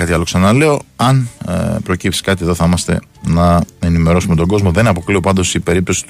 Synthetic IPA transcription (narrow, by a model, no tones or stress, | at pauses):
ɐt̪iɐlo̞ksɐnɐle̞o̞ɐnpɾo̞cipsi̥skɐt̪ie̞ðo̞θɐimɐst̪e̞̰nɐe̞nime̞ɾo̞sume̞t̪o̞ɡo̞zmo̞ðe̞nɐpo̞klio̞pɐnd̪o̞sipe̞ɾip̚t̪o̞si̥t̪u